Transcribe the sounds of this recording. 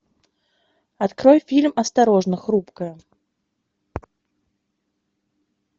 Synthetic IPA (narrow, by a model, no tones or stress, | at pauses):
at̪kɾɔjfʲilʲmɐst̪aɾɔʐnəxɾupkəj